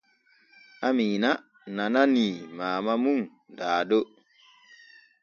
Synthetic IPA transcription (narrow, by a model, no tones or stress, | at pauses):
amina | nananimaːmamuŋ | daːdo